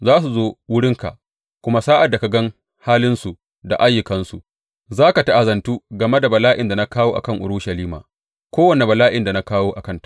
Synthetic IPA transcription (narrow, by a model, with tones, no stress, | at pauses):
zaː˦s̬u˨zoː˦wʊ˦ɽɪ˦ŋka̰˨ʔ | kʷʊ˦ma˦saː˦ʔa˨dːa˨ka˨ɡɐ˦ŋ | haː˦lɪ˦nsu˨ | da̰˨ʔa˦jːʊ˨kɐ˦nsu˨ʔ | zaː˦ka˨ta˦ʔa˨zɐ˨ntuː˦ɡɐ˨me˦da˨bɐ˨laː˦ʔɪ˨nda˨na˦kaː˦woː˦ʔa̰˨kɐ˦ŋʔʊ̰˨ɾʊ˦ʃɐ˨liː˦ma̰ː˨ | kʷoː˦wɐ˨ne˨bɐ˨laː˦ʔɪ˨nda˨na˦kaː˦woː˦ʔa˨kɐ˦ntḁ˦˨